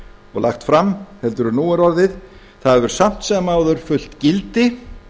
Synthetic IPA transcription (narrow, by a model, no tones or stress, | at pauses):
ɔɣla̰xt̪fɾamhɛlt̪ʏɾʏɾnuːaɾɔɾðɪð | θaðvɛɾ̥sam̥t̪sɛmaːwðʏɾ̥fʏl̥t̪cɪlt̪ɪ